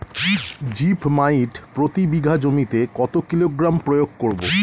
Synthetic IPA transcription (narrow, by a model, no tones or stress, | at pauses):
d͡ʑipmaiʈpɾot̪ibiɡʱad͡ʑomit̪ekɔt̪okiloɡɾampɾojoɡ̚koɾbo